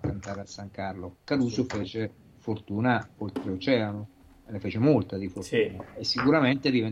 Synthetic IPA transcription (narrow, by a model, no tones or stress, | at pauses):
kant̪aːɾasːaŋkarlokaɾuːsofeːt͡ʃe | fort̪uːnaolt̪ɾeot͡ʃɛːano | enefeːt͡ʃemolt̪ad̪ifort̪uːnaesːikuɾament̪ed̪iven